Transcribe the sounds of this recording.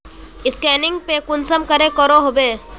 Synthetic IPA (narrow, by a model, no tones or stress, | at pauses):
ɪskɛːnɪ̃ŋɡ̚pekʊnsəmkəɾekəɾoɦobeː